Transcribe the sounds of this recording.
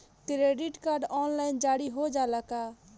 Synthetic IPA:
kɾeːɖɪʈkaːɾɖɔːnlaːɪnd͡ʒaːɽiɦod͡ʒaːlakaː

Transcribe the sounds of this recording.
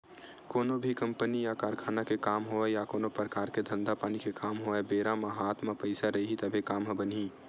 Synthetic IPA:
koːnobʱikə̃mpənijakaːɾkʰaːnakekaːmɦoɛjakoːnopɾəkaːɾked̪ʱə̃nd̪apaːnikekaːmɦoɛbeːɾamaɦaːt̪mapəɪsaɾəɦit̪əbʱekaːmɦbəni

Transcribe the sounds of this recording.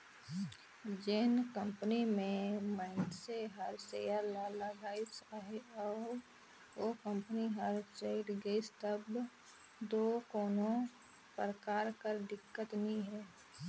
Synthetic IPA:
d͡ʒɪnkə̃mpənimẽmãɪnt̪seɦəɾsejalaːlaɡaːɪsɦeɔːɾ | okə̃mpəniɦəɾt͡ʃeɪʈɡeɪst̪əb | d̪oːkɔːnõ | pɾəkaːɾkəɾd̪ɪkːət̪nĩɦɛː

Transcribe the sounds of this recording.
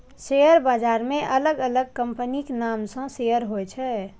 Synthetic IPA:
sejəɾbad͡ʒaːɾmẽʔələɡələɡ̚kəmpəniknamsə̃sejəɾɦoɛt͡ʃʰɛ

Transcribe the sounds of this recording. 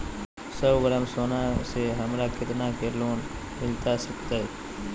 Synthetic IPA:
səbɡəɾəmsoːnãːseɦəmɾaːkɪt̪naːkeːloːn | mɪlt̪asək̚t̪aɦeː

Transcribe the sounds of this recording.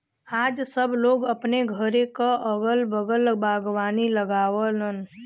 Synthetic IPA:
aːd͡ʒsəbʱloːɡəpneɡʱəɾekaʔəɡəlbəɡəlbʱaːɡwaːniləɡaːwələn

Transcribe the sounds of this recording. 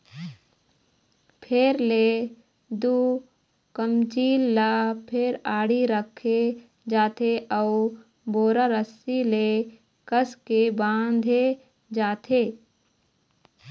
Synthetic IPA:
pʰɪɾleː | d̪uː | kəmt͡ʃiːlːapʰɪɾaːɽiɾəkʰːe | d͡ʒaːt̪ʰeʔə | boːɾaɾəsile | kəskebãːnd̪ʱe | d͡ʒaːt̪ʰeː

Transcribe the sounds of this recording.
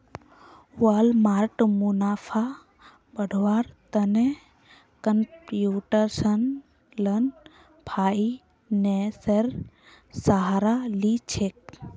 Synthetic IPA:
uaːlmaːɾʈmunaːfʰa | bəɖʱʋaːɾt̪əne | kəmpjuːʈəɾsən | lɐn | pʰaːi | neseɾ | saɦaɾalit͡ʃʰek̚

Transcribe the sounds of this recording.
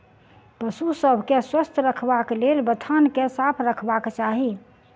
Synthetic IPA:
pəsusəbʱkeswəst̪ʰɾəkʰbaklelbət̪ʰankesapʰɾəkʰbakt͡ʃaɦi

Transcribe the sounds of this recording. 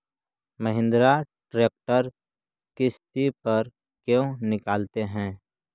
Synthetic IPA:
məɦɪ̃nd̪ɾaʈɾeːk̚ʈəɾ | kɪst̪ipəɾ | kjõnɪkaːlt̪eɦɛ̃ː

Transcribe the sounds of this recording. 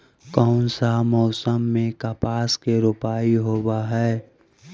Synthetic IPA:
kɔʊnsaɦmɔʊsəmːẽkapaːskeɾʊpaːiɦoːbaɦɛː

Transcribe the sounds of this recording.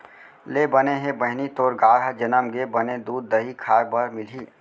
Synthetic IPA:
lebəneɦẽbəɦnit̪oːɾɡaːɾɦad͡ʒənəmɡebəned̪uːd̪ːəɦikʰaːɾbəɾmɪlɦiː

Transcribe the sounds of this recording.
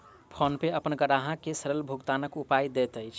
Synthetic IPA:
pʰonpeəpənɡəɽaɦãkesəɾəlbʱuɡt̪anəkupajd̪et̪əjt͡ʃʰ

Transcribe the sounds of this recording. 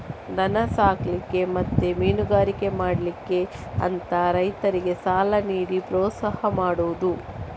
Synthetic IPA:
d̪ɐnɐsaːklikːe̞mɐt̪ːemiːnuɡaːɾike̞maːɽlikːe̞ɐ̰nt̪ɐɾɐjt̪ɐɾiɡe̞saːlɐniːɽipɾɔːt̪sɐhɐmaːɽuʋud̪u

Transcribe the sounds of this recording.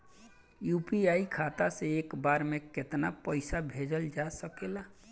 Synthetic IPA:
jupiaikʰat̪asẽekbaɾmeket̪napəɪsabʱed͡ʒəld͡ʒasəkela

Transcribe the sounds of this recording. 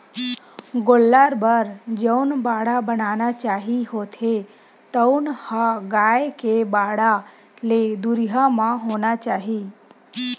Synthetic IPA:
ɡolːaːɾbəɾd͡ʒəʊnbaːɽabənaːnat͡ʃaːɦihoːt̪ʰe | t̪əʊnhaɡaːjekebaːɽa | led̪uɾiɦamãɦoːnat͡ʃaːɦiː

